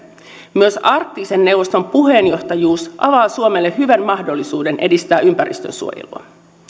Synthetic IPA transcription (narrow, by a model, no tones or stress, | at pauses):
myøsɑrt̪ːiːsenːe̞wʋost̪o̞mpuɦe̞njo̞ht̪ɑjuːsʔɑʋɑːsuomelːeɦyʋænmɑhdo̞lːisuːde̞nʔe̞dist̪æːʔympæɾḭst̪ø̰nsṵojḛlṵɑ̰